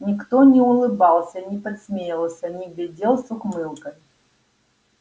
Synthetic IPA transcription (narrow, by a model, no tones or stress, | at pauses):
nʲɪkt̪onʲɪʊlˠɨbɑlˠsʲənʲɪpɐt̪smʲejɪlˠsʲənʲɪɡlʲɪdʲelˠsʊkmɨlˠkəj